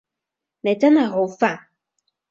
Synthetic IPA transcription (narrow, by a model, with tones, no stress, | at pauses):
ne˨t͡sɐ˦nha˨jɦo˨˦faː˥˨ŋ